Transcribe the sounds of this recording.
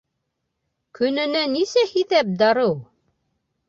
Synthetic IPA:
kɵ̆nɘ̆nɘnisæhiθæp̚d̪ɑɾɤw

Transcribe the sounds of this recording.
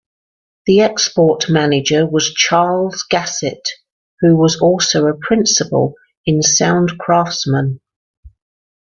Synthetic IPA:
ðiɛkspɔˑʔmanɪd͡ʒəwɒz̥t͡ʃʰɑːlˠz̥ɡasɪt | hʉwɒzɔˑlˠsəʊəpʰɹ̥ɪ̃nsɪpə̰lˠ | ɪ̃nsãʊ̃nkʰɹ̥ɑˑftsmə̃n

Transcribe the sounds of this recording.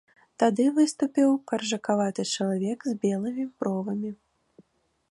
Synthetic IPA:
t̪ad̪ɨvɨst̪upʲiwkɐrʐɐkavat̪ɨt͡ʂɐlˠavʲɛkzʲbʲɛlˠɨmʲipɾɔvɐmʲi

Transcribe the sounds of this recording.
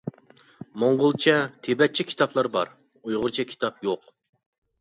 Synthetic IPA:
moŋʁʊlˠt͡ʃʰɛt̪ʰebɛt̪̚t͡ʃʰɛkʲʰi̥t̪ʰɑplˠɑɾbɑɾ | ujʁʊɾt͡ʃʰɛkʲʰi̥t̪ʰɑp̚joq

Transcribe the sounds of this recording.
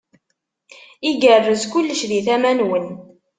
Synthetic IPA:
iɡərːəzkʷʊlːəʃðiθæmænwən

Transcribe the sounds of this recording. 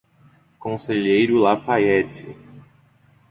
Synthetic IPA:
kõseʎejɾʊlafaɛtɪ

